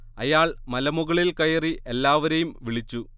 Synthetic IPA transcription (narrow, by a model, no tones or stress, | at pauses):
ɐ̰jaːɭmɐlɐmuɣɐɭilkɐjɐriʔe̞lːaːʋɐɾejumʋiɭit͡ɕːu